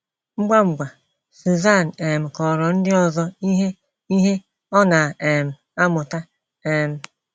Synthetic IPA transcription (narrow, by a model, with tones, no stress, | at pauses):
ŋ͡m̩˦ɡ͡ba˦ŋ͡m̩˨ɡ͡ba˨ | si˨za˦˨n̩˨e˨m̩˨kɔ˨ɾɔ˨n̩˦dɪ˦ɔ˨zɔ˦i˦ɦe˦ | i˦ɦe˦ | ɔ˦na˨e˨m̩˨ | a˦mʊ˨ta˦ | e˨m̩˨